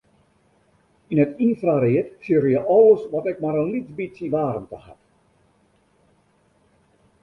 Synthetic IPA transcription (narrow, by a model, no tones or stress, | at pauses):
inətinfraɾeətsjøɾəjəʔɔlˠəsʋɔtɛk̚maɾənlit͡sbisjəʋaːɾəmtəha̰t